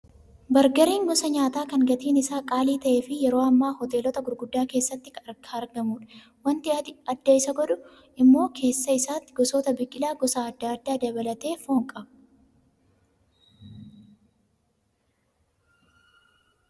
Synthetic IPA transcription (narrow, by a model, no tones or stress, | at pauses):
bɐɾɡɐɾiːŋɡɔsɐɲaːt̪aːkɐŋɡɐt̪iːnɪsaːkʼaːliːt̪ɐʔeːfɪjɛɾo̞ːɐmːaːhɔt̪e̞ːlɔt̪ɐɡʊɾɡʊd̪ːaːke̞ːsːɐt̪ːɪkɐɾʰaɐɾɡɐmuːᶑɐ̥ | wɐnt̪ɪɐd̪ːɐɪsɐɡɔᶑʊ | ʔɪmːo̞ːkʰe̞ːsːɐɪsaːt̪ːɪɡɔsoːt̪ɐbɪkʼːɪlaːɡɔsaːd̪ːaːɐd̪ːaːd̪ɐbɐlɐt̪e̞ːfoːŋkʼɐbʊ̥